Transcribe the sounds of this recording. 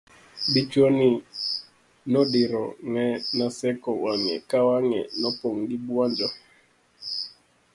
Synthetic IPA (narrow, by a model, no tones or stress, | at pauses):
bit͡ʃwoni | nɔɗɪɾɔ̰ŋɛnasɛkɔwaŋɛ̰kawaŋɛ̰nɔpoŋɗibwand͡ʒɔ